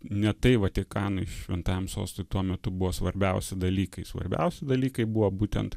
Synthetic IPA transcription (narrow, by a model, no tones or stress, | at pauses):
nʲɛt̪ɐɪʋɐt̪ʲɪkɑːnɐɪʃʲʋʲɪnt̪ɑːjɛmso̰ːst̪ojt̪uɔmʲɛt̪ʊbʊʋosʋɐɾʲbʲɛʊsʲɪd̪ɐlʲiːkɐɪsʋɐ̰ɾʲbʲɛ̰ʊsʲɪd̪ɐlʲiːkɐɪbʊʋobuːt̪ʲɛnt̪